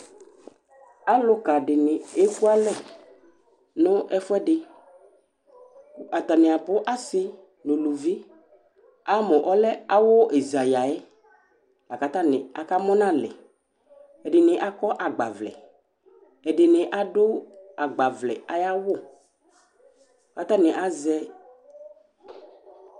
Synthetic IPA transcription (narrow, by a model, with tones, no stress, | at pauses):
a˦lʊ˦ka˨dɪ˨nɪ˨e˦ku˦a˦lɛ˦˨ | nʊ̃˦ɛ˦fʊ˦ɛ˦dɪ˨ | a˨t̪a˨nɪ̃˨a˨pʊ˦ʔa˦sɪ˦ | nʊ̃˨lu˨vi˦ | a˦mɔ̃˨ʔɔ˦lɛ˦a˦wʊ˦ʔe˨za˨ja˨ɛ˦ | a˨ka˨t̪a˦nɪ˨a˨ka˦mɔ˦nã˦lɛ̰˨ | ɛ˨dɪ˨nɪ̃˨ʔa˦kɔ˦ʔa˨ɡ͡ba̰˨vlɛ̰˨ | ɛ˨dɪ˨nɪ̃˨ʔa˦dʊ˦a˨ɡ͡ba˨vlɛ̰˨a˨˦ja˦wʊ˦˨ | ka˦t̪a˦nɪ̃˨ʔa˦zɛ˦